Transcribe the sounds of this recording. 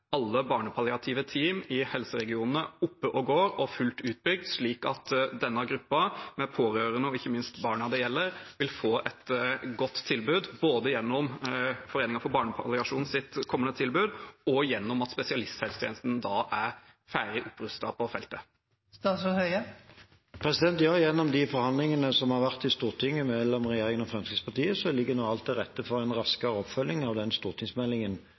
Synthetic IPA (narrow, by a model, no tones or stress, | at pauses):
ɑlːəbɑːɳəpʰɑlɪɑt̪ʰiːʋət̪ʰiːmɪhɛlsəɾɛɡɪuːnənəʊpːəʔɔɡoːɾɔfʉlt̪ʉːt̪̚bʏɡ̚d̪ʂɭiːkɑt̪d̪ɛnːəɡɾʉpːɑmɛpʰoːɾøːɾənəɔɪçːəmɪnst̪bɑːɳɑd̪ɛjɛlːəɾʋɪlfoːʔɛt̪ɡɔt̪ʰːɪlbʉːd̪boːd̪əjɛnːɔmfɔɾeːnɪŋɑfɔɾbɑːɳəpʰɑ̰lɪɑʂuːn̩sɪt̪kʰɔmːənət̪ʰɪlbʉːd̪ɔjɛnːɔmɑt̪spɛsɪɑlɪst̪shɛːlst̪ʰːnəst̪nd̪ɑʔæɾ | fæːɾɪʔʊpːɾʉst̪ɑpʰɔfɛlt̪ə | st̪ɑːsɔhœʏə | pʰʁɛsɪd̪ɛnt̪jɑːjɛnːɔmd̪ɪfɔɾhɑnd̪lɪŋənəsɔmhɑʁʋæʁt̪ɪst̪uːʁt̪ʰɪŋːəmɛlɔmʁɛjeːɾɪŋənɔfʁɑmskəspʰɑʁt̪ʰiːəsɔlɪɡːənoɑlt̪ɪʁɛt̪ːəfɔʁɛnʁɑskəɾəɔpfœlːɪŋɑʋd̪ɛnst̪uːʁt̪ʰɪŋsmɛlːɪŋən